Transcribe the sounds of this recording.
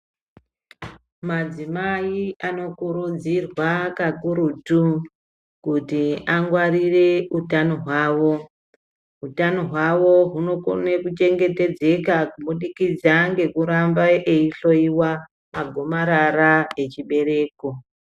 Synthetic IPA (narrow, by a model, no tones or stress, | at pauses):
mad͡zimaiano̞kuɾud͡zirwakakuɾutu | kutiaŋɡwarire̞utanoɦwaːʋo̞ | ɦutano̞ɦwawo̞ɦuno̞ko̰nekut͡ʃe̞ŋɡe̞te̞d͡ze̞kakuɓuɗikid͡zaŋɡe̞kuɾambaʔeiɬo̞iwa | maɡʱomaɾarae̞t͡ʃiɓe̞ɾe̞ːko̞